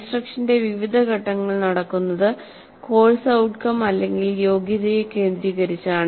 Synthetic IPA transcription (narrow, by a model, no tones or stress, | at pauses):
sʈrɐkʂɐnde̞ʋiʋid̪ʱɐɡʱɐʈːɐŋːɐɭnɐɽɐkːunːɐðɨ | ko̞ːɻsɐwʈkɐmɐlːe̞ŋɡiljo̞ːɡjɐðɐjeke̞ːnd̪ɾiːɣɐɾit͡ɕːaːɳɨ